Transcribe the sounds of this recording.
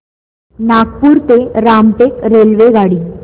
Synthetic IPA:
nakpuːɾt̪eɾamʈekɾelʋeɡaɽiː

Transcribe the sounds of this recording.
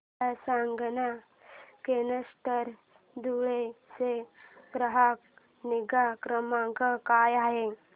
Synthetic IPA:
asaŋɡna | kenəsʈəɾ | d̪uɭeseɡɾəɦak̚ | niɡakɾəmãkəkajaɦe

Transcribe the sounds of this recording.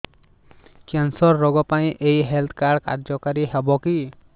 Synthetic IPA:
kansɔɾːɔɡɔpaj̃ʔejɦelt̪ʰkaɽka̰ɾd͡ʒɔkaɾiɦebɔki

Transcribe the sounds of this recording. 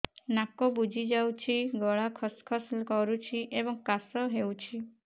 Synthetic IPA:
nakɔbud͡ʒʱid͡ʒawt͡ʃʰiɡɔɭakʰɔskʰɔslkɔɾut͡ʃʰiʔebɔŋkasɔɦewt͡ʃʰi

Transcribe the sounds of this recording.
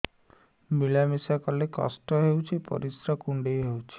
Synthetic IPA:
milamisakɔlekɔ̰sʈɔɦewt͡ʃʰipɔ̰ɾisɾɔkuɳɖejɦewt͡ʃʰi̥

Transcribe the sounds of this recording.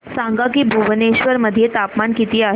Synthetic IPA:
sãŋɡak̬iːbʱuʋneɕʋəɾməd̪ʱːjet̪apmankit̪iːa

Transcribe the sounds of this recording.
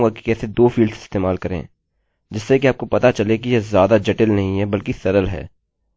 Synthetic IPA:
ɡaki̥kɛːsed̪oːfiːlɖsɪ̥st̪eːmaːlkɐɾḛ̃ː | d͡ʒɪsːekiaːp̚kopɐt̪at͡ʃɐlekijezjaːd̪ad͡ʒɛʈɪlnɐɦĩɦɛbɐlkisɐɾəlɦɛ̰ː

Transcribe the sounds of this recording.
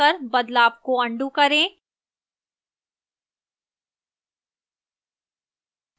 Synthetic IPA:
ɐɾbɐd̪laːp̚koɐ̃ɳɖukɐɾẽː

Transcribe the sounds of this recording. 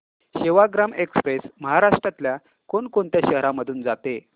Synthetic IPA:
ɕeʋaɡɾamekspɾesməɦaɾaʂʈɾat̪lja | koɳkoɳt̪jaɕəɦɾaməd̪ʱuːnd͡zat̪e

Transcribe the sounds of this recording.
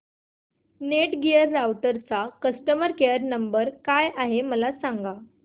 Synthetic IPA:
neʈɡijəɾːawʈəɾt͡sakəsʈəməɾkejəɾnəmbəɾkajʔaɦeməlasaŋɡa

